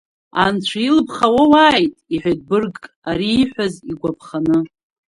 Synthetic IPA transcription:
ant͡ɕʷʰailɨpʰχawawaːjtʼiħʷad̚bɨrɡʼ | aɾiːħᶣʷaziɡʷapʰχanɨ

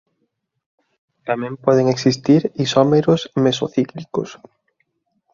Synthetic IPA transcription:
t̪amɛ̃mpɔðeŋeksist̪iɾisɔmeɾʊsmesoθiklikʊ̰s

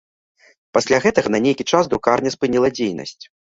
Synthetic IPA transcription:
pasʲlʲaɣɛt̪ɐɣɐnɐnʲejkʲit͡ʂazd̪ɾukarnʲɐspɨnʲilˠɐd͡zʲejnɐ̰sʲt͡sʲ

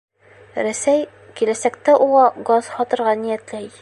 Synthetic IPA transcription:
ɾæsæj | kilæsækt̪æʔuʁɑɡɑz̥hɒt̪ɤ̆ɾʁɑnijæt̪læj

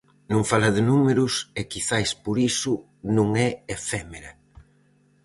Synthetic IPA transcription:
nõŋfalɐðɪnumeɾʊsekiθajspoɾisʊ | nũŋɛefɛmeɾɐ

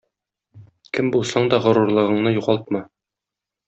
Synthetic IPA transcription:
kɘmbulˠsɑɴd̪ɒʁɤ̆ɾuɾlˠɤ̆ʁɤ̆ɴnɤjuʁɑlˠt̪̚mɤ

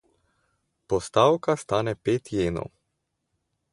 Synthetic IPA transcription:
pɔst̪aːwkast̪aːnɛpeːt̪jeːnɔ̰w

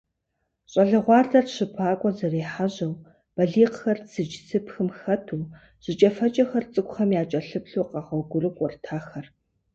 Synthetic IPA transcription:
ɕʼɐɮɨʁʷɑːɮɐrɕɨpʰaːkʷʼɔzɐreːħaʑɐw | b̥ɐɮiːqxɐrt͡sʰɨd͡ʒsʰɨpxɨmxɐtʰuː | ʑ̥ɪt͡ʃʼɐfɐt͡ʃʼɐxɐrt͡sʼɨkʷʼxɐmjaːt͡ʃʼɐɬɨpɬuːqɑʁɐɡʷʊrɨkʷʼɔrtʰaːxɐr

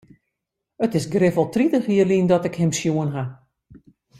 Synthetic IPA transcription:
ətɪsɡrɪvɔlˠtritəxiəlindɔtɪkhɪmsjuənɦa

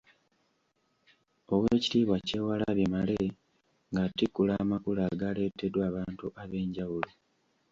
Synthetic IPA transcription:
o̞weːci̥tiːβwace̞ːwalaβimale | ŋɡatikːulaːmakulaːɡaːle̞tːedwaːβaːntuʔaβe̞ːɲɟawulo

